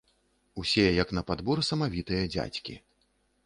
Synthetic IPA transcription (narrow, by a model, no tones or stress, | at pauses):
usʲɛjɛjɐknɐpad̪buɾɨsɐmavʲit̪ɨjɐd͡zʲa̰t͡sʲkʲḭ